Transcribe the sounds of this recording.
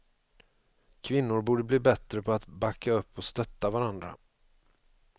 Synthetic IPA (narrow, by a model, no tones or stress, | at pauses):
kʰvɪnːʊɾbuːɖəbliːbɛt̪ɾəpʰɔat̪bakːaɵpːɔst̪œt̪ːavaɾand̪ɾa̰